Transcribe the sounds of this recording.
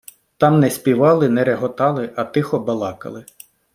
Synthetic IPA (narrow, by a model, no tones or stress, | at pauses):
t̪ɑmnɛsʲpʲiʋɑlˠɪnɛɾeɦɔt̪ɑlˠɪʔɐt̪ɪxɔbɐlˠɑkɐ̰lˠɪ